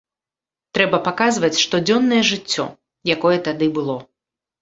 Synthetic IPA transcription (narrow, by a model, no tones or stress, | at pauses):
t̪ɾɛbɐpakazvɐt͡sʲʂt̪ɔd͡zʲɔnːɐjɛʐɨt͡sʲːɔ̰ | jakɔjɛt̪ad̪ɨbɨlˠɔ